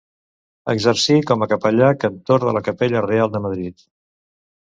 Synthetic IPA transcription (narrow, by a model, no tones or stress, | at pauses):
ə̰ɡzəɾsikɔməkəpəʎakənt̪oɾə̰ləkəpeʎərealˠd̪əməðɾit̪